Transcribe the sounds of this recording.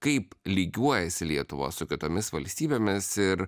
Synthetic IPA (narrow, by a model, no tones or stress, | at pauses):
kɐɪplʲiːɡʲuɔjɛsʲɪlʲiɛt̪ʊʋo̰sʊkʲɪt̪oːmʲɪsʋɐlʲsʲt̪ʲiːbʲeːmʲɪsɪɾ